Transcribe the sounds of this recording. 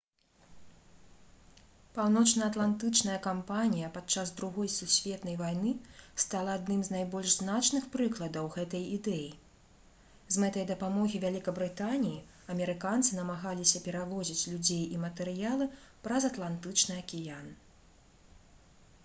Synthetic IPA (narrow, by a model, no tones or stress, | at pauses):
pawnɔt͡ʂnɐːt̪lˠant̪ɨt͡ʂnɐjɐkampanʲijɐpat̪t͡ʂazd̪ɾuɣɔjsusʲvʲɛt̪nɐjvajnɨst̪alˠɐːd̪nɨmznajbɔlʲʐznat͡ʂnɨxpɾɨklˠɐd̪ɐwɣɛt̪ɐjid̪ɛji | zmɛt̪ɐjd̪ɐpamɔɣʲivʲalʲikɐbɾɨt̪anʲiji | ɐmʲɛɾɨkant̪sɨnɐmaɣalʲisʲɐpʲɛɾavɔzʲit͡sʲlʲud͡zʲejimɐt̪ɛɾɨjalˠɨpɾɐzɐt̪lˠant̪ɨt͡ʂnɨɐkʲijan